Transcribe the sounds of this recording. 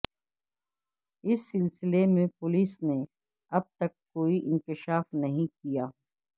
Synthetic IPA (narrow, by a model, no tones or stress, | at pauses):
ɪsːɪlsɪlemẽpʊliːsne | ɐb̚t̪ɐkːoːiʔɪ̃nkɪʃaːfnɐɦĩkijaː